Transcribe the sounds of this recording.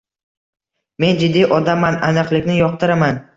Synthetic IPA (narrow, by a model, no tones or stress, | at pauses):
me̞nd͡ʒɪd̪ːijʔɒd̪amːananɨqlˠɪkʲnɪjɒq̚t̪ʰɪɾaman